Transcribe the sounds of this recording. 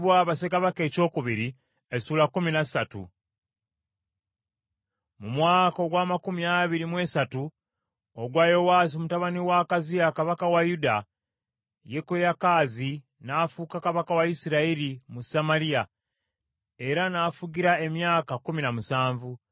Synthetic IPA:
βwaβasekaβake̞ːco̞ːkuβiɾi | esuːlakːuminasatṵ | mumwaːko̞ɡwaːmakuminaβiɾimwe̞ːsatu | oɡwajo̞waːzimutaβaniwakazijakaβakawajuda | jekojakaːzi | naːfukakaβakawaisiɾaiɾimusamalija | e̞ɾanaːfuɡiɾae̞mjaːkakuminamusaːɱvu

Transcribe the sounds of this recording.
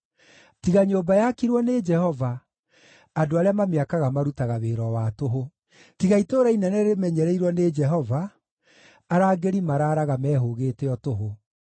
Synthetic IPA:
tiɣaɲoːbajakiɾwɔned͡ʒɛhɔvaː | doaɾeamameakaɣamaɾutaɣaβeːɾɔwatoɦo | tiɣaitoːɾainɛnɛɾemɛɲɛɾɛiɾwɔned͡ʒɛɦɔvaː | ɾaːɡeɾimaɾaːɾaɣamɛːɦoɣeːtɛɔtoɦo

